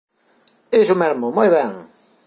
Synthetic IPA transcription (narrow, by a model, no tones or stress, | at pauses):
esʊmɛɾmʊmojβɛŋ